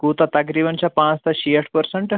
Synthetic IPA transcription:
ɡut̪at̪ak̬ɾiːbəɳt͡ɕjapãt͡st̪aɕiəʈʰpəɾsəɳʈ

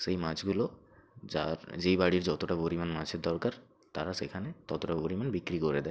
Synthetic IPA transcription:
sejmad͡ʑɡulo | d͡ʑaɾd͡ʑejbaɽiɾd͡ʑɔt̪oʈapoɾimanmad͡ʑʰed̪ɔɾkaɾ | t̪aɾasekʰanet̪ɔt̪oʈapoɾimanbikɾikoɾed̪ɛe

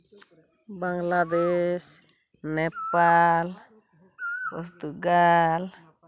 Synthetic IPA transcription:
baŋlad̪eʃ | nepal | poɾt̪uɡal

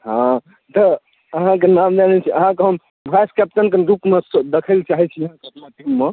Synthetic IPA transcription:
ɦã | t̪ɔ | əɦãk̬enamd͡ʒ̪anɛt͡ʃʰiəɦãkeɦəm | bʱaskɛp̚ʈənkeɾukmesd̪ekʰəlt͡ʃaɦɛt͡ʃʰiəɦãkeəpnaʈimːe

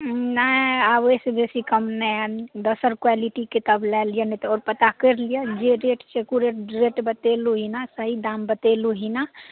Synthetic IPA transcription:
naabosebesikəmnɛd̪əsəɾkwaliʈiket̪əblɛlijənɛt̪ɔɔːɾpət̪akəɾlijad͡ʒeɾeʈsekuɾeʈɾeʈbət̪eluɦinasəɦid̪ambət̪eluɦina

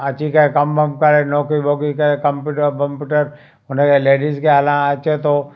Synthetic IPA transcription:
ɐt͡ʃikekɐmbɐmkɐɾenoːkibokikekɐ̃mpjuʈəkɐ̃mpjuːʈəɾ | ʊnẽkeleːɖiskealãat͡ʃet̪o

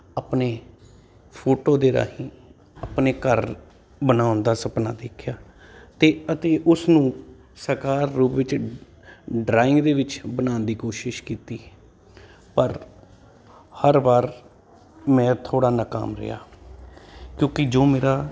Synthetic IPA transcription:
apneː | pʰoːʈoːd̪eːɾa̰ːɦĩː | apneːkəɾ | bənaːʊnd̪aːsəpnaːd̪eːkʰjaː | t̪eːət̪eːʔʊsnũː | səɾkaːɾːuːpʋɪt͡ʃ | ɖɾaːɪ̃ŋɡd̪eːʋɪt͡ʃbənaːnd̪iːkoːʃɪʃkiːt̪iː | pəɾ | həɾʋaːɾ | mɛ̃ːt̪ʰoːɽaːnəka̰ːmɾɪ̰ja̰ː | kjõːkɪd͡ʒoːmeːɾaː

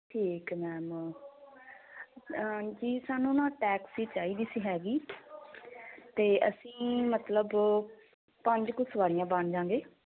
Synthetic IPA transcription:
ʈʰiːkmɛːm | d͡ʒiːsaːnũːnãːʈɛːksiːt͡ʃaːiːd̪iːsiːɦɛːɡiː | t̪eːʔəsĩːmət̪ləb | pəɲd͡ʒkʊsʋaːɾɪjãːbənd͡ʒãːŋɡeː

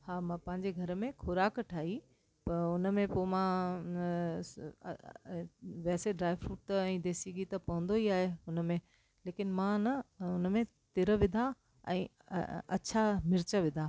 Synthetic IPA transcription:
haːmãpɐ̃ɦɪ̃ɲd͡ʑeɡʱɐɾəmẽxʰʊɾaːkʈʰaːɦi | pɐɾʊnə̆mẽpomã | ʋɛːseɖɾaːɪʋɾuːʈt̪ɛ̃ːd̪eːsiɡit̪ɐpɐɦʊ̃nd̪oiaːɦeʊnəmẽ | leːkɪnmãnɐʊnəmẽ | t̪ɪɾə̆ʋɪd̪ʱa | ɛ̰̃ː | ɐ̰t͡ɕʰamɪɾt͡ɕəʋɪd̪ʱaː

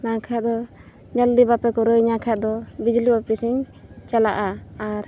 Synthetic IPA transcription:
nakʰaʔd̪ɔ | d͡ʒald̪ibapɛkɔɾəjɲakʰaʔd̪ɔbid͡ʒliɔpɾisiɲ | t͡ʃalaʔaːɾ

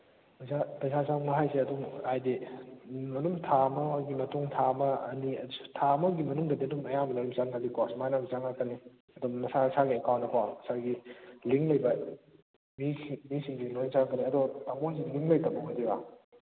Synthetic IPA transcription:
pɐzapɐjzazanaɦajseɐduŋajdi | mɐnumtʰamɐɡimɐtuŋtʰamɐ̰ːniɐ̥tʰamɐɡimɐnuŋdɐdiɐdumɐjamɐnɐɾumzaŋadikʰasmajnamizaŋakʰɐni | ɐdɔmnɐsasaɡiɐkawnɐkʰaɐsaɡiliŋlɐjbɐ | mismisiŋdilojnzaŋkɐniɐdɔtaŋons̬iliŋlɐjtabɐɡadiba

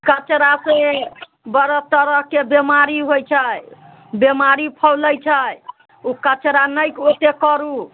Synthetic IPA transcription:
kət͡ʃɾase | bəɾət̪əɾəɦkebemaɾiɦojt͡ʃʰəj | bemaɾipʰəwləjt͡ʃʰəj | ukət͡ʃɾanəjkot̪ekəɾu

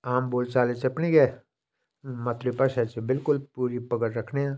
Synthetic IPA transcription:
aːmboːlt͡ʃaːlet͡ʃeɐpniɡɛː | mɐt̪ɾipɐʃɛt͡ʃebɪlkʊlpuːɾipɐɡəɾɾɐkʰneãː

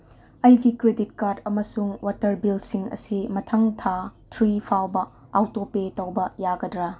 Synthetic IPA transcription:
ɐjɡikɾedit̚kaɾdɐmɐsuŋwʔatɐɾbilsiŋɐ̰simɐtʰɐŋtʰatʰɾipʰawbɐawtopetɐwbɐjaɡɐdɾɐ

